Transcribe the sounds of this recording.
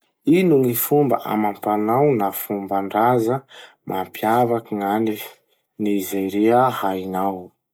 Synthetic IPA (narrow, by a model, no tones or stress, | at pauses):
inuŋifumba̰ʔa̰mampanawnafumbaɳɖ͡ʐazə | mʔampjavakiŋani | nizajɾeahainaw